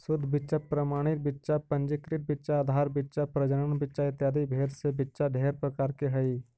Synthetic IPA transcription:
sʊd̪ʱːbɪtːʃapɾəmaːɽ̃ɪt̪̚bɪtːʃapə̃nd͡ʒɪkɾɪt̪̚bɪtːʃaːd̪ʱaːɾbɪtːʃapɾɐd͡ʒəɽənbɪtːʃaɪt̪jaːd̪ibʱeːɾsebɪtːʃaɖʱeːɾpɾəkaːɾkeɦɐi

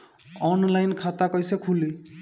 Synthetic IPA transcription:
ɔnlajnkʰat̪akʌjsekʰuli

